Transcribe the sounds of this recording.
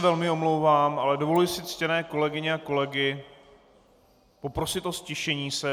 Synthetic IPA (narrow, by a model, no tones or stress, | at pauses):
vɛlmɪo̞mlowvaːmʔalɛdo̞vo̞lujɪsɪt͡scɛnɛːko̞lɛɡɪɲɪako̞lɛɡɪ | po̞pɾo̞sɪt̪ʔoscɛʃɛɲiːsɛ